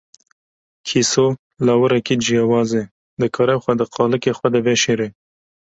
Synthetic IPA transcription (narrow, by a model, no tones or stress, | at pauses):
kʰiso | lɑwəɾakid͡ʒijawɑze | d̪əkʰɑɾawxwad̪əqʰɑləkexwad̪abeʃeɾe